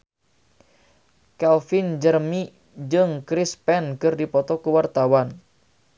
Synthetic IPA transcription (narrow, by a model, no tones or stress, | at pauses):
kɛlfind͡ʒərmi | d͡ʒɨŋkɾispɛnkɨrdipɔt̪ɔkuwart̪awan